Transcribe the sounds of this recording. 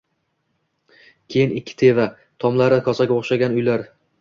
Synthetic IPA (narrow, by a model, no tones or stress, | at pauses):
kʲʰe̞jɪnɪkʲʰːɪ̥t̪ʰe̞va | t̪ʰɒmlaɾɪkʰɒsaɡʲoχʃaɡʲanʊjlaɾ